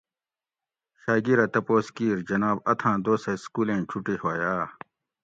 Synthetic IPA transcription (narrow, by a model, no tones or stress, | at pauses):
ɕaːɡiɾɐt̪ɐpoːskiːɾd͡ʑɐnaːbɐt̪ʰãːd̪oːseskuːlẽːt͡ɕʰuʈihoːjaː